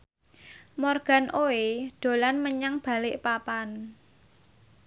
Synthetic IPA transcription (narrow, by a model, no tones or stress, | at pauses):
mɔrɡ̥a̤nʔoed̪̥o̤lanməɲaŋb̥a̤lɪʔpapan